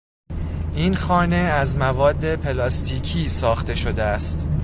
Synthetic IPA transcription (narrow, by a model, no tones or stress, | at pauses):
ʔinxɒːne̞æzmævɒːd̪ːe̞pʰe̞lɒːst̪ʰiːcʰiːsɒːxt̪e̞ʃo̞d̪eæst̪